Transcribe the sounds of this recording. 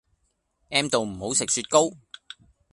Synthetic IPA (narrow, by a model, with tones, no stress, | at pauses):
ʔɛː˥mt̪o˨wm̩˨˩ho˨˥wsɪ˨k̚syː˧t̚ko˥w